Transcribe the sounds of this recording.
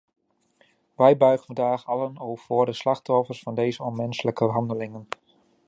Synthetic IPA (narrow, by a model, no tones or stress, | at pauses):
ʋɛjbœɥχənədaːχɑlənowvʊːɹdəslɑχtɔfəɹsfɑndejzəɔnmɛnsələkəɦɑndəlɪŋən